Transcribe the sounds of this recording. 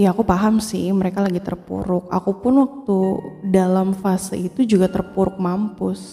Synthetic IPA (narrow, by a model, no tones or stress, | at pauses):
jaːkupaɦamsɪhməɾekalaɡit̪ərpṵɾʊk̚a̰kupʊnwak̚t̪udalamfasəit̪ud͡ʒuɡat̪ərpuɾʊk̚mampʊs